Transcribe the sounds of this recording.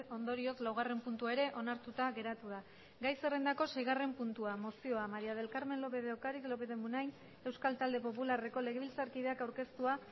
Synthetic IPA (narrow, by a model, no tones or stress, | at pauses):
ond̪o̞ɾio̞klawɣ̞are̞mpunt̪uaeɾe̞ʔo̞naɾt̪ut̪aɣe̞ɾat̪uða | ɡajse̞re̞nd̪ako̞se̞jɣare̞mpunt̪uamo̞sio̞amaɾiað̞e̞lkaɾme̞nlo̞pe̞ðeokaɾiklo̞pe̞ðemunajn | e̞wskalt̪ald̪e̞po̞pulare̞ko̞le̞ɣe̞βilt͡saɾkiðe̞akawɾke̞st̪ua